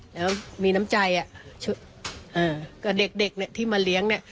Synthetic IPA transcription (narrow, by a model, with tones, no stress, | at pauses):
lɛː˦˥wa˥˩miː˧na˦˥mt͡ɕa˧jʔa˨˩t͡ɕʰu˧˥˩ | ʔaː˧˩kɔː˥˩de˨˩k̚de˨˩k̚ni˥˩ət̪ʰiː˥˩maː˧li˦əŋni˥˩